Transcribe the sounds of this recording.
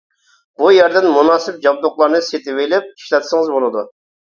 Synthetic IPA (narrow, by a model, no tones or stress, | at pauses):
b̥ujɛɾd̪ɪnmunɑːsɪp̚d͡ʒɑb̚d̪ʊχlˠɑɾnɨset̪ʰɪvɪlɪp̚i̥ʃlɛt̪ʰsɪŋɨzbolˠɨd̪u